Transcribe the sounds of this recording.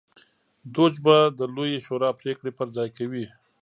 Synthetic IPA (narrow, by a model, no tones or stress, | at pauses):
d̪ot͡ʃbad̪əlojeʃoɾɑpɾekɽepəɾzɑjkawi